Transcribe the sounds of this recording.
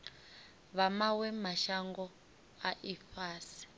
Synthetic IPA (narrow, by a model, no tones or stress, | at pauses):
βamawɛmaʃaŋɡɔ | aʔifaːsi̥